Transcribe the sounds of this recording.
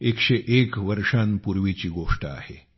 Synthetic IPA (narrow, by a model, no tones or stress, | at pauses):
ekʂeʔekʋəɾʂanpuɾʋit͡ɕiːɡoʂʈəa̰hḛ